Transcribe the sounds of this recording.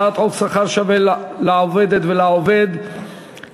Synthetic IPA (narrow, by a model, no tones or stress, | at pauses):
at̪ʁoksaχaʁʃavellaoved̪et̪velaoved̪